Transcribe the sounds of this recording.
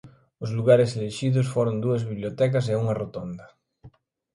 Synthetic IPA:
ʊzluɣ̞aɾeseleʃiðʊsfoɾond̪uɐzβiβljot̪ɛk̬as̬euŋarot̪ond̪ɐ

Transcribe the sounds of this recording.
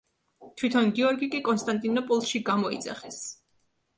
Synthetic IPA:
t̪ʰwit̪ʰɔnɡiɔɾɡikʼikʼɔnst̪ʼant̪ʼinɔpʼɔlˠʃiɡamɔḭd̪za̰χɛs

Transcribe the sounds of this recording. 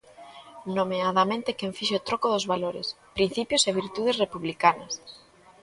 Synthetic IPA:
nomeaðamẽnt̪ekeɱfiʃeot̪ɾokoðʊzβaloɾɪ̰s | pɾin̟θipjʊseβiɾt̪uð̞esrepuβlikanɐs

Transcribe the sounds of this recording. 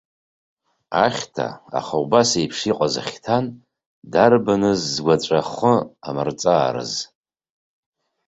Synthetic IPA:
aχʲtʰa̰a̰χaubasejpʰʂiqʷʼaza̰χʲtʰan | darbanɨzːɡʷat͡ʃʷʼaχəamɨrt͡sʼaːɾɨ̰z

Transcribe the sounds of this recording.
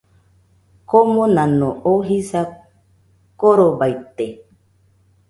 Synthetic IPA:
komonãnõʔoɦisa | koɾobait̪e

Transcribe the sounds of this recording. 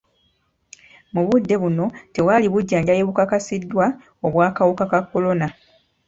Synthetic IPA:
muβudːe̞βuno̞te̞waːliβuɟːaːɲɟajeβukakasidːwa | oβwaːkawukakakːo̞lo̞na

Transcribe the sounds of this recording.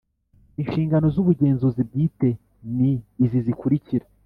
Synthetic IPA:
inʃiːŋɡano̞zuβuɟe̞ːnzuzib̚ɡiːte̞ | niːzizikuɾiciɾa

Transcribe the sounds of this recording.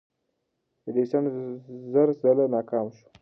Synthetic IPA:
d̪əd̪esanzaɾzalanɑkɑmʃu̥

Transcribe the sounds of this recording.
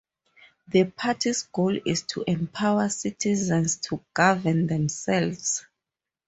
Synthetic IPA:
ðəpʰatʰisɡ̥olistʰṵʔɛ̃mpʰawasitʰizɛ̃nstʰuɡ̥avɛ̃nðɛ̃msɛlvz̥

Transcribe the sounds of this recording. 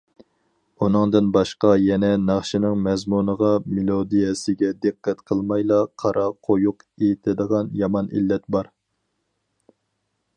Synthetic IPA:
unɨŋd̪ɨnbɑʃqɑjɛnɛnɑχʃinɨŋmɛzmunəʁɑmelˠod̪ijɛsɪɡʲɛd̪ɨqʰːɛt̪qʰəlˠmɑjlˠɑqʰɑɾʔɑqʰojuqet̪ʰɪd̪əʁɑnjɑmɑnḭlːɛt̪̚bɑɾ

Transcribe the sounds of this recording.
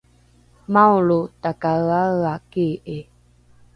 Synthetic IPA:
mawɭutakaaakeʔe

